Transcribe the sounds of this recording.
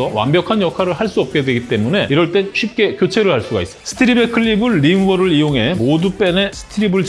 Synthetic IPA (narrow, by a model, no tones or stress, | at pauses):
ʌwa̰mbjʌkʰanjʌkʰaɾɯɭɦaɭs͈uʌp̚k͈e̞dwe̞ɡit͈e̞mune̞iɾʌɭt͈e̞nɕʰip̚k͈e̞kjot͡ɕʰe̞ɾɯɭhaɭs͈uɡais͈sʰɯ̥tʰɯɾibe̞kʰɯɭːibɯɭːimwʌɾɯɭijoŋɦemodup͈e̞ne̞sʰɯ̥tʰɯɾibɯɭt͡ɕ